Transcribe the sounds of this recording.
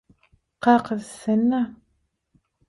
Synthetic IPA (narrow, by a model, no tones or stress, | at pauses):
qɑːqəzsɐna